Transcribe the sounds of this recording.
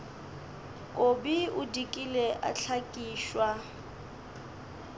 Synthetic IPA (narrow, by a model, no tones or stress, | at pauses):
kʼobiʊdikʼilɛʔa̰ɬʰakʼiːʃwa